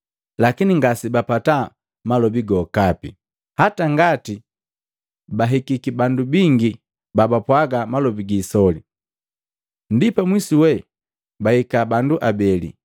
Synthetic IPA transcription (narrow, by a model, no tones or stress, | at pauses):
lakiniŋɡasibapata | malɔbiɡɔkapḭ | hataŋɡati | baɦikikibandubiŋɡi | babapwaɡamalɔbiɡiːsɔli | ndipamwisiwɛ | bahikabanduʔabɛlḭ